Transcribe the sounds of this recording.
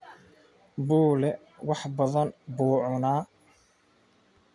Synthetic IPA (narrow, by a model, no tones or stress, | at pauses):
buːlɛ | wɑħbɐðɐnbuːʕʊnaː